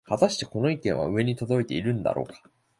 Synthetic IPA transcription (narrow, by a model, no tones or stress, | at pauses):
hat̪aɕi̥t̪eko̞no̞ikẽ̞ɰ̃βa̰ɯ̟e̞ɲ̟it̪o̞d̪o̞it̪e̞iɾɯ̟̃nd̪a̰ɾo̞̰ːkḁ